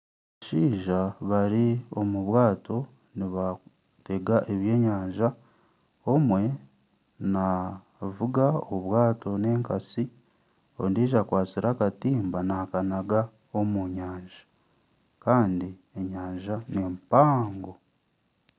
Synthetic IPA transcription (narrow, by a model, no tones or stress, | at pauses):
βaʃiːʒaβaɾio̞muβwaːto̞ | niβa | te̞ɡaʔe̞βje̞ːɲaːɲʒa | omwe̞ | na | vuɡaoβwaːto̞ne̞ːŋkasi | o̰ndiːʒakwaːt͡siɾakatiːmbanakanaɡa | omuɲaːɲʒḁ | kaːndie̞ɲaːɲʒanempaːŋɡo̞